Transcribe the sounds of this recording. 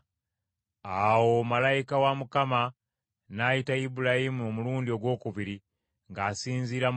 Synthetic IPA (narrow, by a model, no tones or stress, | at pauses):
awo̞malajikawamukama | najitaibuɾahimuomuluːndio̞ɡwo̞ːkuβiɾi | ŋɡaːsiːnziɾam